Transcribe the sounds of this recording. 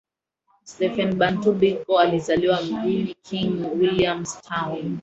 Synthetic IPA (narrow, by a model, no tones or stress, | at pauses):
stɛfɛnbantubikɔalizaliwam̩ɡulikʰiŋnwiliamstʰan